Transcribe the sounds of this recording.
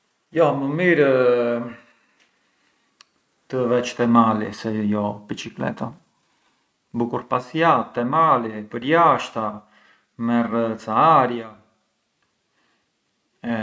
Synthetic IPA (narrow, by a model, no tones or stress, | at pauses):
jɔməmiɾ | t̪əvɛt͡ʃt̪ɛmalisɛjɔbit͡ʃiklɛ̰t̪a | bukuɾpasjat̪ːɛmalipəɾjaʃt̪a | mɛrət͡saaɾja | ɛ